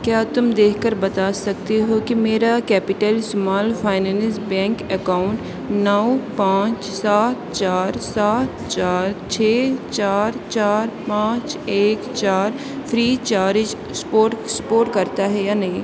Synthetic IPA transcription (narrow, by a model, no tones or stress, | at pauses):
kjaːt̪ʊmd̪eːkʰkəɾbɐt̪aːsɐk̚t̪eɦokimeːɾakɛːpɪʈəlsʊmaːlpʰaːɪnɛ̃ːnɪsbɛ̃ːŋkɛkaːʊɳʈ | nɐwpãːt͡ʃsaːt̪̚t͡ʃaːɾsaːt̪t͡ʃaːɾt͡ʃʰeːt͡ʃaːɾt͡ʃaːɾpãːt͡ʃeːkt͡ʃaːɾ | pʰɾiːt͡ʃaːɾɪd͡ʒ | poːʈspoːʈkɐɾt̪aɦɛjaːnɐĩ